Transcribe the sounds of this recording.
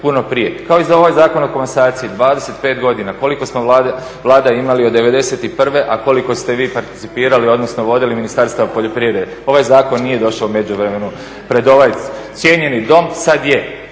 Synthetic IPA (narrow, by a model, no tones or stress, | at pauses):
puno̞pɾije̞kao̞izao̞ʋajzaːko̞noko̞mensaːt̪siid̪ʋaːd̪ese̞t̪pe̞ːt̪ɡo̞d̪inako̞liko̞smoa | ʋlˠaːd̪aimaliod̪ːe̞ʋe̞d̪e̞se̞t̪ipr̩ʋe̞ʔako̞liko̞st̪e̞ʋiːpaɾt̪i̥t̪ipiːɾalio̞d̪no̞sno̞ʋo̞d̪iliminist̪aɾst̪aʋapo̞ʎo̞pɾiʋɾed̪eo̞ʋajzaːko̞nːije̞d̪o̞ʃaoume̞d͡ʑuʋɾeme̞nu | pɾe̞d̪o̞ʋaj̪st̪sje̞ɲe̞nid̪o̞msad̪je